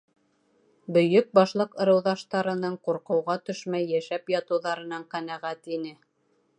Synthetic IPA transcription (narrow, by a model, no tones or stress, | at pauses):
bɵ̆jɵk̚bɑʃlˠɤqɤ̆ɾɤ̆wðɑʃt̪ɑɾɤ̆nɤɴquɾqɤ̆wʁɑt̪ɵ̆ʃmæjːæʃæpjɑt̪ɤ̆wðɑɾɤ̆nɑɴqænæʁæt̪inɘ